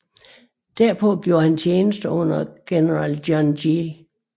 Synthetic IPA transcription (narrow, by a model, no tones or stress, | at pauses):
d̥æɐ̰pʰɔ̽ɡ̥jo̝ːɐhænt͡ɕʰjeːnəsd̥əɔ̽n̰ɐɡ̥enəʁɑld̥jɒnji